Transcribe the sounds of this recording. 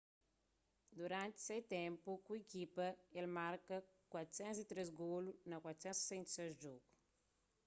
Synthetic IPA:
d̪uɾãnt̪i̥set̪ɛ̃mpukuekipɐelmaɾkɐkwat̪ɾu̥sɛ̃nt̪zit̪ɾezɡolunɐkwat̪u̥sɛ̃nt̪se̥sẽnt̪sezʒɔɡu

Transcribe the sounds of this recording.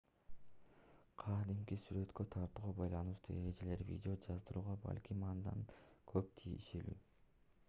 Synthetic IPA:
qʰɑd̪imkisyɾø̞t̪kø̞t̪ʰɑɾt̪uːʁɑbɑjlˠɑnɯʃt̪ṵːe̞ɾe̞d͡ʒe̞le̞ɾvʲḭdʲɪod͡ʒɑzd̪ɯɾuːʁɑbɑ̰lʲkʲimɑnd̪ɑ̰nkʰøp̚t̪ʰḭʃe̞ly̰ː

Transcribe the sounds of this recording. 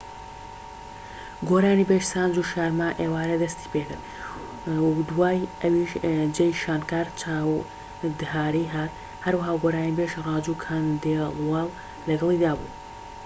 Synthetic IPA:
ɡoːɾaːnibeːʃsaːnd͡ʒuːʃaːɾmaːʔeːwaːɾɐd̪ɐst̪i̥ːpeːt̪ɨɾ | d̪uwaːjɐwiʃd͡ʒɐjʃaːnkaːɾt͡ʃʰaːw | d̪ɨɦaːɾijɦaːɾ | hɐɾwɐɦaːɡoːɾaːnibeʃrɑːd͡ʒuːkʰand̪elwɑːl | lɐɡɐlˠiːd̪aːbṵː

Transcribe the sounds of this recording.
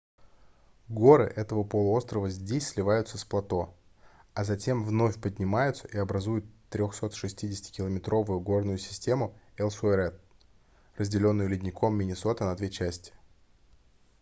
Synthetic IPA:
ɡo̞ɾɨ̰ʔɛt̪əvəpəlˠʊ̞st̪ɾəvəzʲdʲesʲsʲlʲɪvajʊt̪səsplˠɐt̪o̞ | ɐzɐtʲe̞mvno̞fʲpədʲnʲɪmajʊt̪səʔiɐbɾɐzujʊt̪ːɾʲoxso̞t̪ʂɨsʲtʲidʲɪsʲɪ̥tʲɪ̥kʲɪlˠəmʲɪt̪ɾo̞vʊjʊɡo̞rnʊjʊsʲɪ̥sʲtʲe̞mʊɛlˠfuɛɾɛt̪̚ | rəzʲdʲɪlʲo̞nːʊjʊlʲɪdʲnʲɪkʰo̞mːʲɪnʲɪso̞t̪ənɐd̪vʲe̞t͡ɕæsʲtʲɪ̥

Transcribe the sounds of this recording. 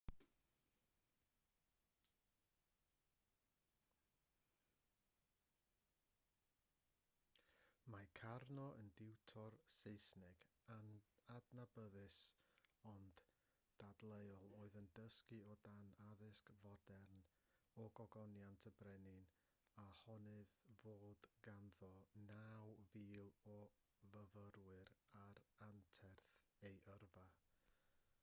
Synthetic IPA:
makʰarnɔʔəndɪwtʰɔrseɨsnɪɡ̥aadnabəðɨsɔnd̥ | d̥adlˠejɔlˠoːɨðəndəskɨɔdanaðɪskvɔdɛrn | ɔɡɔɡɔnjantʰəbrɛnɪn | ahɔnɨðvoːdɡanðɔnawviːlˠɔ | vəvəɾwɨɾaɾantʰɛrθejʔərva

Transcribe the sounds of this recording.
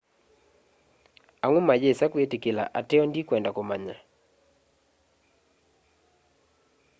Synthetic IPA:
aŋʊmad͡ʒesakwetikɪla̰ʔatɪɔndikwɛndakomaɲa

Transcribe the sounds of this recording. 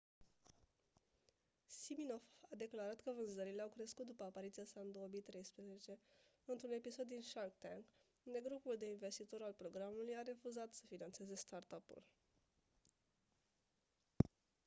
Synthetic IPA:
simino̞fad̪e̞klaɾat̪kəvɨnzəɾileawkɾe̞skut̪̚d̪upəapaɾit̪siasand̪owəmijt̪ɾe̞jspɾəze̞t͡ʃe̞ | ɨnt̪ɾune̞piso̞d̪ːinʃalk̚t̪aŋɡ | und̪e̞ɡɾupuld̪e̞inve̞st̪it̪o̞ɾalpɾo̞ɡɾamulujaɾe̞fuzat̪sə̥finant̪se̞ze̞st̪art̪apṵl

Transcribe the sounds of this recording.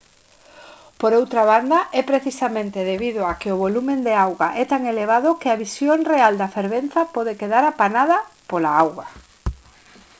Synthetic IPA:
poɾowt̪ɾaβand̪ɐʔɛpɾeθisamẽnt̪ɪðeβiðʊakɪʊβolumẽnd̪eawɣaʔɛt̪aŋeleβ̞aðʊkɪaβisjoŋreald̪ɐfeɾβenθɐpɔðekeðaɾapanaðɐpolaawɣɐ

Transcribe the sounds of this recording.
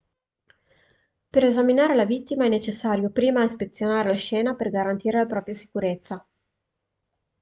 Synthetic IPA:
peɾezaminaːɾelavit̪ːimaɛnːet͡ʃesːaːɾjopɾiːmaispet̪sjonaːɾelaʃɛːnaperɡaɾant̪iːɾelapɾɔːpɾjasi̥kuɾet̪sːa

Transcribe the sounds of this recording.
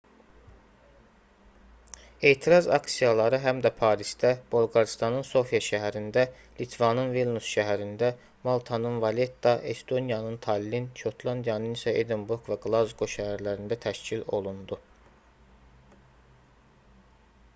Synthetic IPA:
e̞ːt̪ʰiɾɑzɑ̰ksijɑlˠɑɾɯɦæmd̪æpʰɑːɾist̪æb̥olˠɡɑɾist̪ɑnɯnso̞fijɑʃæɦæɾind̪æ | lit̪ʰvɑnɯnvilˠnusʃæɦæɾind̪æ | mɑlˠt̪ʰɑnɯnvɑle̞t̪ːɑʔe̞st̪o̞nijɑnɯnt̪ʰɑlʲːinʃo̞t̪ʰlˠɑnd̪ijɑnɯnisæʔed̪imbuɾɡvæɡlˠɑzɡoʃæɦæɾlæɾind̪æt̪ʰæʃcʰilo̞lˠund̪u

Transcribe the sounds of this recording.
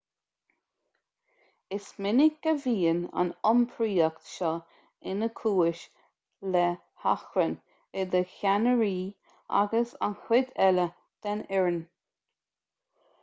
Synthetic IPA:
ɪsmɪnɪɡ̚ɡəviːəna̰nɔmpʰɹiːɛkt̪ʃɔ | ɪnəkʰuːɪʃ | lɛ | ha̰xɾən | ɪd̪əçanəɹiː | a̰ɡəsa̰nxɪd̪ɛlə | d̪̥ɛnɛɹən

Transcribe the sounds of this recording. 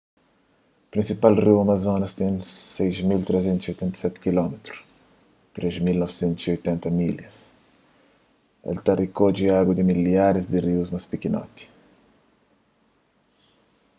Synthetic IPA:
pɾĩnsipalriwɐmɐzõnɐst̪ẽsejzmilt̪ɾɛzẽnt̪ʊziojt̪ɛ̃nt̪ɐ̥sɛt̪kilɔmet̪ɾʊ̥ | t̪ɾezmilnɔvsẽnt̪ʊz̥iojt̪ɛ̃nt̪ɐmiljɐs | ḛlt̪arikod͡ʒiaɡwɐd̪ɪmiljaɾɪzd̪ɪriwzmɐspikinɔ̰t̪i̥

